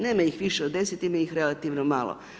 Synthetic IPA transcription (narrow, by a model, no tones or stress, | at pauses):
neːmaixʋiʃeod̪e̞sit̪imajixɾe̞lat̪iʋnomalˠo̰